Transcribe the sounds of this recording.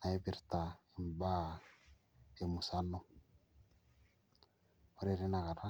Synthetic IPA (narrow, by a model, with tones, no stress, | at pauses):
na˨e˦bi˨ɾta˨i˨m˨ba˦ | e˨mu˨sa˦nɔ˦ | o˦ɾe˨ɾi˦na˨ɣa˨ɾa˦